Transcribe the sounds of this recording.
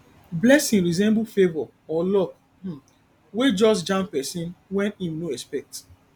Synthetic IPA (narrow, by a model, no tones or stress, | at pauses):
blɛsĩŋɹizɛ̃mblfevɔ | ɔlɔk̩̚ | wed͡ʒɔsd͡ʒãmpɛsĩnwɛ̃nimnoɛspɛk̚t